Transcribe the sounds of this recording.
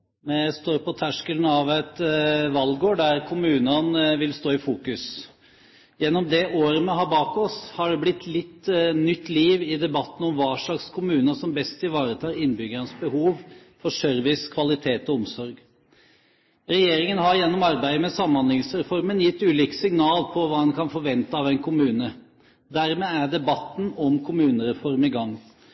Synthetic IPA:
mɛst̪oːɾpɔt̪ʰæʂkəlnɑʋɛt̪ʋɑlɡoːɖæɾkʰʊmʉːnənʋɪlst̪oːɪfuːkʉs | jɛnːɔmd̪ɛʔoːɾəmɛɦɑːbɑːkɔshɑɖɛblɪt̪ːlɪt̪ːnʏt̪ːliːʋɪd̪ɛbɑt̪ːn̩ɔmʋɑːʂɭɑkskʰʊmʉːnəsɔmbɛst̪ʰːɪlʋɑːɾət̪ʰɑːɾɪnbʏɡəɾənsbəhuːʋfɔʂœɾʋɪskʰʋɑlɪt̪ʰeːt̪ɔɔmsɔɾɡ | ɾɛjeːɾɪŋənhɑɾjɛnːɔmɑɾbæɪd̪əmɛsɑmːɑnlɪŋsɾɛfɔɾmənjɪt̪ːʉːliːkə̥sɪŋnɑːlpʰɔʋɑːɛnkʰɑnfɔɾʋɛnt̪əɑːʋɛɪnkʰʊmʉːnə | d̪æɾmɛæɖ̪ɛbɑt̪ːn̩ɔmkʰʊmʉːnəɾɛfɔɾmɪɡɑŋː

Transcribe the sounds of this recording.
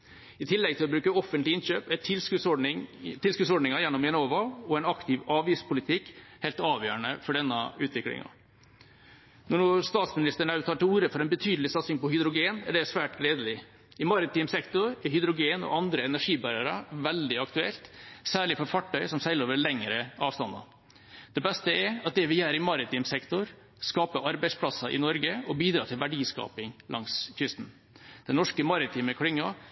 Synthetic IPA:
ɪt̪ʰɪlːɛɡ̚t̪ɪlɔbɾʉːkəɔfːənt̪lɪɪnɕøːpæɛt̪lskʉsɪːɪlskʉd̪sɔɖɳɪŋɑjɛnːɔmjɛnoːʋɑɔɛnɑkt̪ɪʋɑːʋiːspʰʊlɪt̪ʰɪkːhɛːlt̪ɑːʋjø̰ːɾəɳəfɔɖɛnːɑʉːt̪ʰʋɪklɪ̰ŋɑ̰ | nɔɳuːst̪ɑːt̪smɪnɪst̪əɳɑʉt̪ʰɑːʈɪluːɾəfɔɾɛɪnbət̪ʰyːd̪lɪsɑt̪sɪŋpɔhʏd̪ɾʊɡeːnæɖɛsʋæːʈleːd̪əlɪ | ɪmɑɾət̪iːmsɛkt̪ʊɾɛɾhʏd̪ɾʊɡeːnɔ̰ʔɑnd̪ɾəɛnæʂiːbɑɾæɾɑ̰ʋɛld̪ɪɑkt̪ʉɛ̰lt̪sæːɭɪfɔɾfɑʈːœʏsɔmsæɪləoːʋəɾlɛŋəɾəʔɑːʋst̪ɑnd̪ɑ̰ | d̪̥ɛbɛst̪əɛɾɑt̪̚d̪ɛʋɪjæːɾɪmɑɾɪt̪ʰiːmsɛkt̪ʊɾ | skɑːpəʔɑɾbæɪspʰlɑsɑʔɪ̰nɔɾɡəɔbiːd̪ɾɑːt̪ʰɪlʋæɖiːskɑ̰ːpɪŋlʔɑ̰ŋskʰɾʏst̪n̩ | d̪̥ɛnɔʂkəmɑɾɪt̪ʰiːməkʰɽɪŋːɑ

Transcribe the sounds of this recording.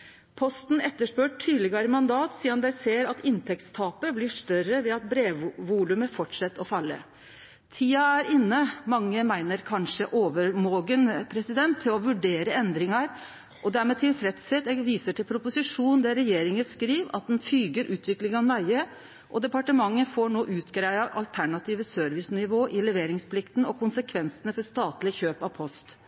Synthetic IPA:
pʰɔst̪nɛt̪ːəʂpøːʈʰːyːd̪lɪɡɑɾəmɑnd̪ɑːt̪siːɑnd̪æɪseːɾɑt̪ɪnt̪ʰɛk̚t̪st̪ʰɑːpəblɪʂt̪œɾəʋɪɑt̪̚bɾeːʋʋuːlʉməfɔʈʂɛt̪ːɔfɑlːə̰ | t̪ʰiːɑæɾɪnːəmɑŋːəmæɪnəɾkʰɑnʂəʔoːʋəɾmoːɡənpʰɾɛsɪd̪ɛnt̪ʰːɪlɔʋʉɖeːɾəɛnd̪ɾɪŋɑɾ | ʔɔd̪æɾmɛːt̪ʰɪlfɾɛt̪seːt̪ɛɡʋiːsəʈʰɪlpʰɾʊpʊsɪʂuːnn̩d̪ɛɾɛjeːɾɪŋəskɾiːʋɑ̰t̪̚d̪ɛnfyːɡəɾʔʉːt̪ʰʋɪklɪŋɑnmæɪə | ʔɔd̪ɛpɑʈəmɑŋːəfoɳoːʔʉːt̪ɡɾæɪɑʔɑ̰lt̪ʰæɳɑt̪ʰiːʋəsœɾʋɪsnɪʋoːʔɪlɛʋeːɾɪŋspʰlɪkt̪n̩ɔkʰʊnsəkʰʋɛnsənəfɔɾʂt̪ɑːt̪lɪçøːpɑʋpʰɔst̪

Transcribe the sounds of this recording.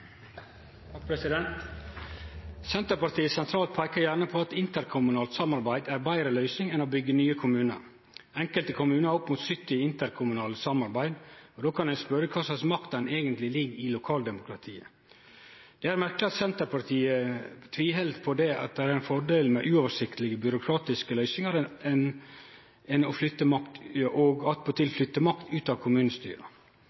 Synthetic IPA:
pʰɾɛsɪd̪ɛnt̪ | sɛnt̪əɾpɑɾt̪iːəsɛnt̪ʰɾɑːlt̪̚pʰæɪkəɾjæɾɳəpʰɔɑt̪ɪnt̪əɾkʰʊmʉnɑːlt̪sɑmɑɾbæɪd̪æɾbæɪɾəlœʏsnɪŋɛnobʏɡːənyːəkʰʊmʉːnə̰ɾ | ɛŋkəlt̪əkʰʊmʉːnəɾɔpmuːt̪sʏt̪ːɪɪnt̪əɾkʰʊmʉnɑːləsɑmɑɾbæɪd̪ɔd̪oːkʰɑnd̪ɛnspœɾəkʰɑːsɑsmɑkt̪ɛneːɡənt̪lɪlɪɡɪlʊkʰɑːld̪ɛmʊkʰɾɑt̪ʰiːə̰ | d̪̥ɛæɾmæɾkləɑt̪sɛnt̪əɾpʰɑɾt̪ʰiːət̪ʰʋiːɦɛlt̪pʰɔd̪ɛɑ̰t̪̚d̪ɛæɾɛnfɔɖeːlmɛʔʉɔːʋəʂɪkt̪əlɪɡəbʏɾʊkʰɾɑːt̪ɪskəlœʏsɪŋəɾɛn | ɛnɔflʏt̪ːəmɑkt̪ʔɔɡɑt̪̚pʰɔt̪ʰɪlflʏt̪ːəmɑkt̪ʰʉːt̪ɑːʋkʰʊmʉːnəst̪y̰ːɾə̰

